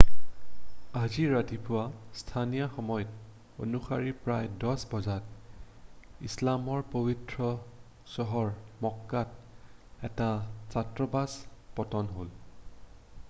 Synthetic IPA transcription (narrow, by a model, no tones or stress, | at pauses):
aziɹatipʊwastʰanijaxɔmɔjɔt̚ | o̰nuxaɹipɹajdɔsbɔzat | ḭslamɔɹpobitɹɔ | sɔɦɔɹmɔkːat̚ | ɛtazatɹɔbaspɔtɔnɦol